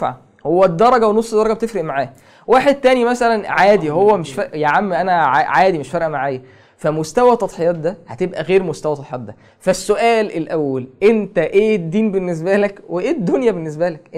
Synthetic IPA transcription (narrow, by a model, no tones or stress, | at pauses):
ʕa̰ | howːæd̪ːɑɾˤɑɡæwenosˤːd̪ɑˤɑɡæbet̪efɾeʔmaʕaː | waːħed̪̚t̪ænimæsælænʕaːd̪ihowːæmeʃfæjaʕamːiʔænæʕaʕaːd̪imeʃfæɾˤʔæmaʕaːjæ | fæmost̪æwæt̪ˤɑd̪ˤħejɑːt̪̚d̪æhæt̪ebʔæɣeːɾmost̪æwæt̪ˤɑt̪ħejɑːt̪̚d̪æ | fæsːoʔæːlelʔæwːælʔent̪æʔeːd̪ːiːmbenːes̬bælækweʔeːd̪ːonjæbenːes̬bælæk